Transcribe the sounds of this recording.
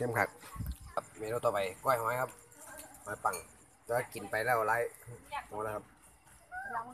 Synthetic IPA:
ke˧˥˨mkʰa˧˩k̚kʰa˧p̚miː˧ɾoː˧˩t̪ɔː˧˩pa˨jkɔː˧˥˩jha˧˩maː˧˥˩kʰa˧˥p̚ | maː˧˥pa˧˩ŋ | taː˧˩a˧˥˩ki˨˩npa˨jlɛː˥˩wlaː˦˧˥jmɔː˧˩lːkʰa˧˥p̚

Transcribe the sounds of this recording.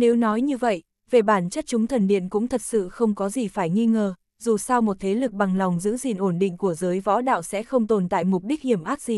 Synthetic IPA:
ne˨˦wnɔ˨˦jɲɨ˧və̰˧˨j | ve˨˩ɓaː˧˩nt͡ɕə˦˥t̚t͡ɕʊ˨˦ŋ͡mt̪ʰə˨˩nɗḭ˧˨ənkʊ̰˧˥ŋ͡mt̪ʰə˨˩t̚sɨ̰˧˨xə˧wŋ͡mkɔ˨˦zi˨˩faː˧˩jŋi˧ŋəː˨˩ | zu˨˩sa˧wmo˨˩t̚t̪ʰe˨˦lɨ˨˩k̚ɓa˨˩ŋla˨˩wŋ͡mzɨ̰˧˥zi˨˩nʔo˧˩nɗḭ̈˧˨ŋ̟ku˧˩əzəː˨˦jvɔ̰˧˥ɗa̰ː˧˨wsɛ̰˧˥xə˧wŋ͡mt̪o˨˩nt̪a̰ː˧˨jmʊ˨˩k͡p̚ɗi˦˥k̚hi˧˩əmʔaː˦˥k̚zi˧˨˩

